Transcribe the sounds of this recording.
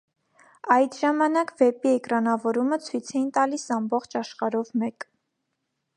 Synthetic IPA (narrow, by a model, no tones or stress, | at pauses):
ɑjt̪ʒɑmɑnɑkvɛpiɛkɾɑnɑvɔɾumət͡sʰujt͡sʰɛjint̪ɑlisɑmbɔχt͡ʃʰɑʃχɑɾɔvmɛk